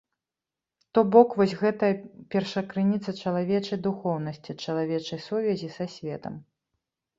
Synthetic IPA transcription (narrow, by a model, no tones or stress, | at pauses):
t̪ɔbɔkvɔsʲɣɛt̪ɐjɐpʲɛrʂɐkɾɨnʲit̪sɐt͡ʂɐlˠavʲɛt͡ʂɐjd̪uxɔwnɐsʲt͡sʲit͡ʂɐlˠavʲɛt͡ʂɐjsuvʲɛzʲisasʲvʲɛt̪ɐm